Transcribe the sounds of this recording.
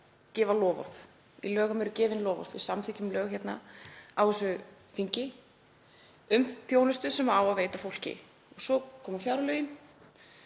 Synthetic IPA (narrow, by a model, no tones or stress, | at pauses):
cɛːvalɔːvɔ̰θ | ḭlœːɣamɛɾʏcɛːvɪnlɔːvɔ̰ɾðvɪ̰samθɪcʏmlœːɣçɛt̪na̰awɪsʏ | θiɲcɪ | ʏmθjoːwnʏst̪ʏsɛmaaːwaðveːjt̪afowl̥cɪ̰ | ɔɣsɔkʰɔːmafjawɾalœːɥjɪn